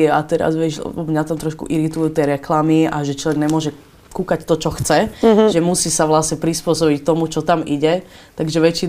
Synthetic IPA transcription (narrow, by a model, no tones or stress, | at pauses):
at̪ɛɾa̰zʋjɛʃmɲat̪amt̪ɾɔʃkṵʔiɾit̪ujuːt̪ɪɛɾɛklamiaʒɛt͡ʃlɔʋɛɡɲɛmʊɔʒɛ | kukact̪ɔt͡ʃɔxt͡sɛʒɛmusiːsaʋlasɲɛpɾispʊɔsɔbict̪ɔmut͡ʃɔt̪amiɟɛ | t̪aɡʒɛʋɛt͡ʃːin